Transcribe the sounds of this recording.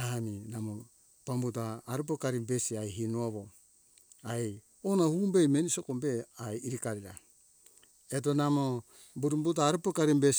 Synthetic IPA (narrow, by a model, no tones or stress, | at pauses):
aaninamo | pambut̬aːɾup̬okaɾibesiajɦinuaβo | aej | onahuːmbe̞jmenisokombe̞ajiɾikaɾiɾa | et̬onamo | buɾumbutaːɾupokaɾimbes